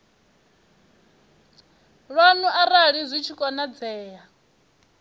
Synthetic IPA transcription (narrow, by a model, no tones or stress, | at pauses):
ɺwanuʔaɾaɺizʷit͡ʃʰikʼɔnad͡zɛːja